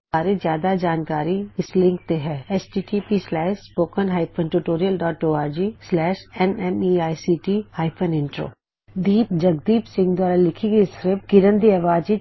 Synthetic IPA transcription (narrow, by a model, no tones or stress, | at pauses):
aːɾezjaːd̪ad͡ʒaːnkaːɾiɪslɪ̃ŋk̚t̪eɦɛːɛsʈiːʈiːpislɛːʃspoːkənɦaːɪpʰənʈuʈoːɾijəlɖɔːʈoːaːɾd͡ʒiːslɛːʃɛnɛmiːaːjsiːʈihaːɪpʰənɪ̃ɳʈɾo̰ː | d̪iːp̪̚d͡ʒəɡd̪iːpsɪ̃ŋɡd̪waːɾalɪkʰiɡiskɾɪpkɪɾənd̪iɐʋaːd͡ʒi